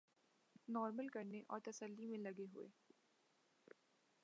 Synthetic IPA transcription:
nɔːɾməlkɐɾneʔɔ̰ːɾt̪ɐsəlːimẽlɐɡeɦʊ̰ḛː

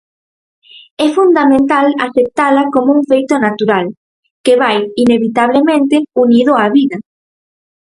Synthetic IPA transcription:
ɛfund̪amẽnt̪ala̰θep̚t̪alakomouŋfejt̪onat̪uɾal | keβajineβit̪aβ̞lemẽnt̪ɪuniðʊaβiðɐ

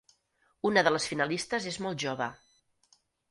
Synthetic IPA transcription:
unəðələsfinəlist̪əzezmɔlˠt̪ʒoβə

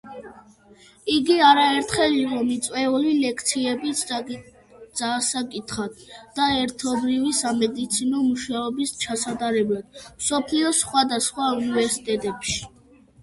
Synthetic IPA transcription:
iɡiaɾaɛɾt̪ʰχɛliqʼɔmit̪sʼwɛulilɛkʰt̪sʰiɛbi | d̪z̥aːsakʼit̪ʰχat̪d̪̥aɛɾt̪ʰɔbɾivisamɛd̪it̪sʰinɔmuʃaɔbist͡ʃʰasad̪aɾɛblad̪̥msɔpʰliɔsχwad̪asχwaunivɛɾsit̪ʼɛt̪ʼɛpʃi̥

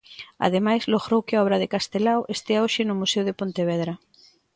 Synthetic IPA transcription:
a̰ðemajzloɣɾowkɪaɔβ̞ɾaðekast̪elawʔest̪eaoʃɪnʊmusewðepont̪eβɛðɾa

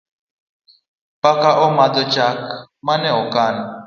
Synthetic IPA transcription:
pakaʔɔmadɔt͡ʃakmanɛɔkan̩

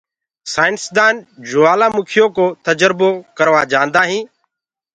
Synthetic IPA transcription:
saːɪnsd̪aːnd͡ʒʊʋaːlãːmʊkʰɪjoːkoːt̪əd͡ʒəɾboːkəɾʋaːd͡ʒãːnd̪aːɦĩː

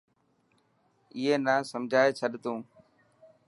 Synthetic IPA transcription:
ɪɦeːnaːsəmd͡ʒʱaːeːt͡ʃʰəɗt̪õː

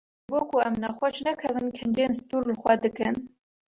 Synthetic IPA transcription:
ʒɡoːkʰuɛmnɛxʷɔʃnækʰɛvɨnkʰɨnd͡ʒeːnst̪uːɾlɨxʷɛd̪ɨkɨn

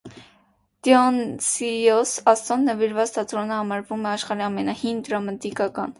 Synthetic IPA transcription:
d̪̥jɔnsiɔsɑst̪ɔnːəviɾvɑt͡st̪ʰɑt̪ɾɔnəhɑmɑɾvumɛɑʃχɑɾiɑmɛnɑhind̪ɾɑmɑt̪ikɑkɑn

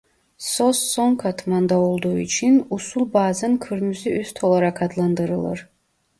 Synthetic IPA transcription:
sɔsːɔŋkʰat̪ʰmand̪aolˠd̪uḭt͡ʃʰinusulˠbaːzankʰɨɾmyziyst̪ʰolˠaɾakʰad̪lˠand̪ɨɾɨlˠɨ̰ɾ

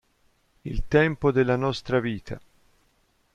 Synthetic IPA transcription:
ilt̪ɛmpod̪elːanɔst̪ɾaviːt̪ʰa̰

